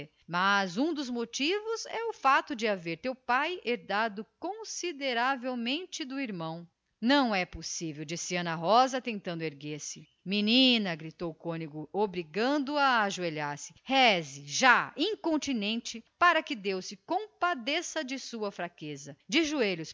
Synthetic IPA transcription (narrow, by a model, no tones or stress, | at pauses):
mɐzũd̪ʊzmot͡ʃivʊzɛʊfat̪ʊd͡ʒɪaveɾt̪ewpajeɾd̪ad̪ʊkõsid̪eɾavewmẽnt͡ʃɪd̪ʊiɾmɐ̃w̃ | nɐ̃w̃ɛposivewd͡ʒisiɐ̃nɐɦɔzɐt̪ẽnt̪ɐ̃nd̪ʊeɾɡeɾsɪ | minĩnɐɡɾit̪owʊkõniɡʊobɾiɡɐ̃nd̪ʊaːʒueʎaɾsɪ̥hɛzɪʒaĩkõnt͡ʃinẽnt͡ʃɪpaɾɐkɪd̪ewsɪkõpad̪esɐd͡ʒɪsuɐfɾakezɐd͡ʒɪʒueʎʊs